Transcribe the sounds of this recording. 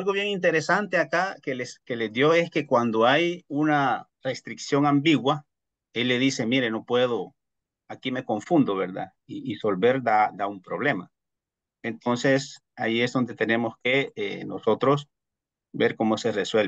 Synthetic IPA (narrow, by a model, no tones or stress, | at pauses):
alɣo̞βjeŋint̪̬e̞ɾesant̪e̞akakeleske̞le̞zd̪jo̞e̞ske̞kwand̪oajuna | re̞st̪ɾiksjo̞ŋambiɣwa | e̞lːe̞ðise̞miɾe̞no̞pwe̞ð̞o | akime̞ko̞ɱfund̪oβeɾða̰ | iiso̞lβe̞ɾd̪ad̪aumpɾo̞β̞le̞ma | ent̪o̞nse̞s | aiezðo̞nd̪e̞t̪e̞ne̞mo̞ske̞ḛno̰so̞t̪ɾos | be̞ɾko̞mo̞se̞reswel